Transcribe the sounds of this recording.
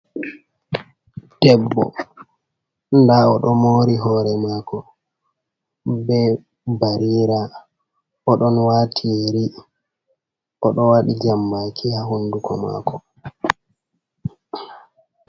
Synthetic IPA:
d̥ɛbːɔ̰ | ndaɔɗɔmoːɾiɦɔɾɛmakɔ | bɛ | baɾiːɾa | ɔɗɔnwaːtʰijeɾi | ʔɔɗɔwaɗid͡ʒamːakʰihaɦundukʰɔ̰ma̰ːkʰɔ

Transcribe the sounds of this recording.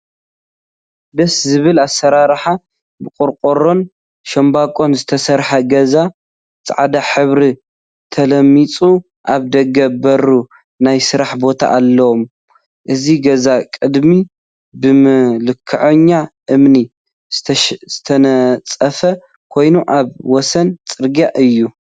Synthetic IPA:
d̪ɐszɨβɨlasːɐɾaɾħa | bɨkʼʊɾkʼoɾo̞n | ʃɐmbakʼo̞nzɨt̪ʰɐsɐɾħɐɡɐza | t͡sʼʕd̪aħɨβɾi | t̪ʰɐlɐmːit͡sʼu | ʔaβd̪ɐɡɐbɐɾu | najsɨɾaħbo̞t̪ʰa̰ʔːlːɐwom | ʔɨziɡɐzakʼɨd̪mi | bɨmlɨkʰːɨʕɐɲːaʔɨmni | z̥ɨt̪ʰɐt͡sʼɐfɐ | kʰo̞jnuʔaβwɔsɐnt͡sʼɨɾɡjaʔɨjːu

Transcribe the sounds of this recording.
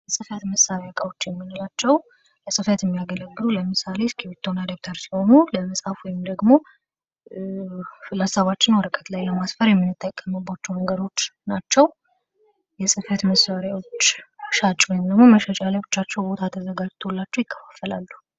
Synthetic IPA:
jsʼɨfət̪məsaɾjakʼawo̞t͡ʃːjɛmːinolat͡ʃːɛw | ləsʼɨfət̪jɛmːijaɡələɡːɨluləmɨsaleskʰiwit̪ʰːonad̪ek̚t̪ʰəɾsi̥ho̞nuləməsʼhafwɔjɪmd̪əɡmo̞ | fɨlasaβat͡ʃːɪnwɔɾəkʼət̪lajləmasfəɾjɛmːɨnːɨt̪ʰːəkʼːəmɨbːat͡ʃːɛwməŋɡəd̪o̞t͡ʃːnat͡ʃːɛw | jɛsʼɨfət̪məsːaɾjawo̞t͡ʃːʃat͡ʃʼwɔjɪmd̪əɡmo̞məʃət͡ʃʼalajbɨt͡ʃːat͡ʃːɛwbo̞t̪ʰat̪ʰəzəɡad͡ʒt̪ʰolːat͡ʃːɛwjɪkʰːə̥fḁfːəla̰lːu

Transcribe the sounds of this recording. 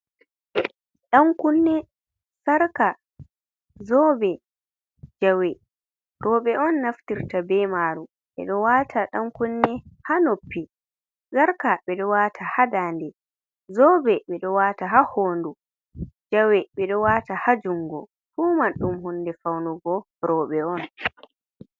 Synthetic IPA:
ɗaŋkunːɛ | saɾka | zɔbɛ | d͡ʒawɛ | ɾɔɓɛɔnːaftiɾtabɛmaːɾu | ɓɛ̰ɗɔwatʰaɗaŋkunːɛhanopːi | saɾkaɓɛɗɔwaːtʰahadandɛ | zɔbɛɓɛɗɔwaːtaɦahoːndu | d͡ʒawɛɓɛɗɔwatahad͡ʒuŋɡɔ | fuːmaɗːumɦunːdɛfawnuɡɔ | ɾɔːɓɛɔn

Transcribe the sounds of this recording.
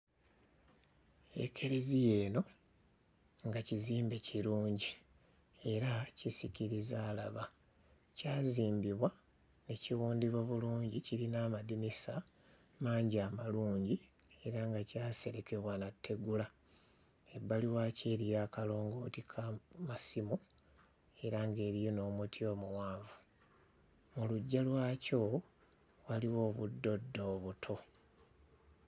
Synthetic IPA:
ḛkʰe̞ɾe̞zije̞ːno̞ | ŋɡaciziːmbe̞ciɾuːɲɟi | e̞ɾacisiciɾizaːlaβa | caːziːmbiβwa | ne̞ciwuːndiβaβuluːɲɟiciɾinaːmadimisa | maːɲɟiamaluːɲɟi | e̞ɾaŋɡacaːse̞ɾe̞ke̞βwanatːe̞ɡula | e̞bːaliwaːce̞ːɾijakalo̞ːŋɡo̞ːtikʰamasimu | e̞ɾaŋɡe̞ːɾijono̞ːmutʰio̞ːmuwaːvu | muluɟːalwaːco̞ | waliwo̞ːβudːo̞dːo̞ːβutʰo̞

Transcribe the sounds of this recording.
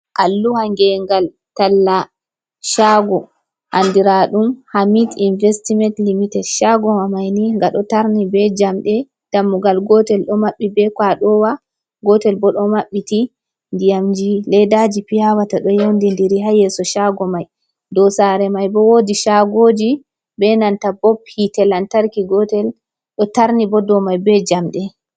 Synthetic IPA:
ʔalːuhaŋɡɛŋɡal | talːa | ʃaɡɔ | handiɾaɗumhamitinvɛstimɛntlimitɛdʃaɡɔwamajniŋɡaɗɔtaɾnibɛd͡ʒamɗɛ | d̥amːuɡalɡɔtɛlɗɔmaɓːibɛkwaɗɔwa | ɡɔtɛlbɔɗɔmaɓːiti | ndijamd͡ʒilɛdad͡ʒipijawataɗɔjowndindiɾiɦajɛsɔʃaɡɔmaj | dɔsaɾɛmajbɔwodiʃaɡod͡ʒi | bɛnantabɔphitɛlantaɾkiɡɔtɛl | ɗɔtaɾnibɔdɔmajbɛd͡ʒamɗɛ

